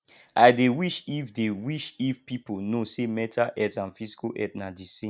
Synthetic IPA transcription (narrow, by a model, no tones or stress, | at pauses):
aɪdewiʃifdewiʃifpiponosemɛtʰaʔɛtãnfisi̥koʔɛ̰tnadisĩ